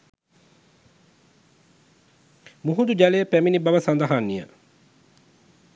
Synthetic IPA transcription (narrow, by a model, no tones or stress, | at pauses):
muɦund̪ud͡ʒalejəpæminibɐʋɐsɐnd̪ɐɦanːijə̰